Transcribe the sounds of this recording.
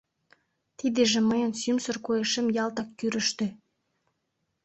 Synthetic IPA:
t̪id̪eʒĕməjənsymsərkojeʃemjɑlt̪ɑkːyɾə̆ʃt̪ø̆

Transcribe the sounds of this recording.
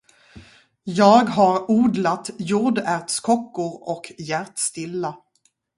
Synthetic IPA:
jɑːɡɦaɾuːd̪lat̪juːɖæɾt̪skʰɔkːʊɾɔkjæɾt̪st̪ɪlːa

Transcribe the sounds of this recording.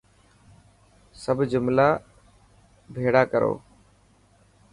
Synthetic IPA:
səbd͡ʒʊmlaː | bʱeːɽaːkəɾo̰ː

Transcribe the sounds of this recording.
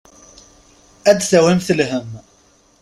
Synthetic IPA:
æd̪θæwimθəlɦəm

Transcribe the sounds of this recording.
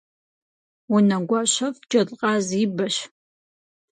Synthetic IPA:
wunɐɡʷɑɕɐfd͡ʒʼɐɮʼqʼɑːzibɐɕ

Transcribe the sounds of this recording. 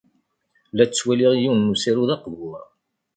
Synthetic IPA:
læt͡sːwæliʁjiwnːusiɾuðɑqvʊɾ

